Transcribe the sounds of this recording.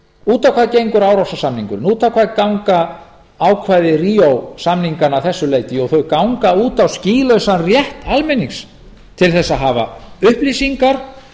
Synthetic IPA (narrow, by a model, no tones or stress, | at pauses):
uːt̪awkʰvaːðcejŋkʏɾaːwɾawsasamniŋkʏɾnuːt̪awkʰvaðkawŋka | aːwkʰvajðɪriːowsamniŋkanawθɛsːʏleːjt̪ɪɔɣθœɥkawŋkauːt̪awsciːlœɥsanrjɛht̪almɛniŋs | t̪ʰɪlθɛsːaðɦaːva̰ʏhplisiŋkaɾ̥